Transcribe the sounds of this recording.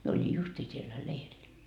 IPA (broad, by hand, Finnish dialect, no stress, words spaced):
mie oli justiː sielːæ leirilːæ